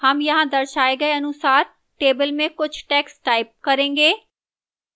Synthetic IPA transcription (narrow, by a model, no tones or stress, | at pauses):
həmjɐɦãːd̪əɾʃaːeɡəeənʊsaːɾ | ʈeːbəlmẽkʊt͡ʃʰʈɛːksʈaːɪp̚kəɾẽːŋɡeː